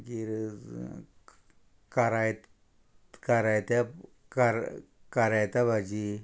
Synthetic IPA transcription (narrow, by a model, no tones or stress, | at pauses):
kiɾ | kaɾajt̪ | kaɾajt̪a | kaɾ | kaɾajt̪abʱad͡ʑi